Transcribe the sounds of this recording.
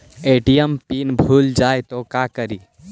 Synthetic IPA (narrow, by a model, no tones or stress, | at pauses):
eʈijəmpinbʱuld͡ʒajt̪ɔkakəɾi